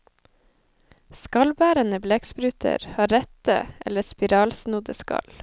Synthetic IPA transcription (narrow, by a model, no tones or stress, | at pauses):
skɑlbæːɾənəbleːkspɾʉːt̪ʰə̰ɾhɑːɾɛt̪ə̰ʔɛləspɪɾɑːlsnʊd̪əskɑ̰l